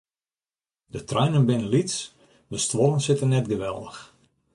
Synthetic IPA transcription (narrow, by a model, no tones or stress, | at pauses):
dətrɛjnənbɪnənlits | dəstʋorənsɪtənːɛtɡəʋɛlˠdəx